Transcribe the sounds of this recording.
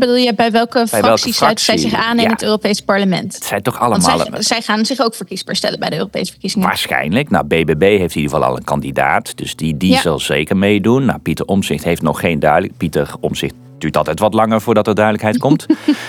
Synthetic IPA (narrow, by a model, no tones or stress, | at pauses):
bəduːlˠjəbɛjʋɛlˠkəbjrɛlˠskəisrɑɥktəszɛjizɪχaːnɪnətøːropejspɑɹləmɛ̰ntətsɛjtɔχɑləmaːlˠzɛjχaːnzɪχowkfəɹkisbəɹstɛ̰ləbɛjdəø̰ːrowpḛjsəfə̥ɹkizɪŋəʋa̰ːɹsχɛ̰jnləknawbeːbebejɦejftidəəvɑlˠɑ̰lˠə̰nkɑndida̰ːtd̥ɵsdidizɑlˠzejkəɹmejdunːa̰pitəɹɔmzɪχtɦejftnɔχːejndœɥdlpitərɔmz̥ɪχt | d̥yːɹtɑlˠtɛjtʋɑtlɑŋəɹvʊːɹdɑtəɹdœɥdələkɦɛjt̚kɔt